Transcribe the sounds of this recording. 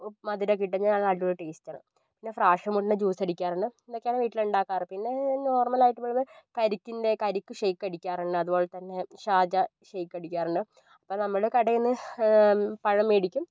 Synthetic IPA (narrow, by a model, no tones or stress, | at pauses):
mɐðiɾɐk̬ːiʈːɐɲːanaːɭɐɭʈːuɾɨʈeːstːaːɳɨ̰ | pinːe̞fraːʂɐmoʈːinːɨd͡ʑuːsɐɽikʲːaːrɐɳɖɨind̪okːeaːnɨʋiːʈːiluɳɖaːkːaːrpinːe̞no̞ːrmɐlaːjiʈːumːoːɭɐmɐkɐɾikʲːind̪e̞kɐɾikʲːuʂejkːɐɽikʲːaːɾɐɳɖɨɐðubo̞ːɭet̪ɐnːe̞ɕaːd͡ʑɐɕejkːɐɽikʲːaːɾrɐɳɖɨ | ɐpːoːnɐmːɐɭkɐɽɐjunːɨ | pɐɻɐmːeːɽikʲːum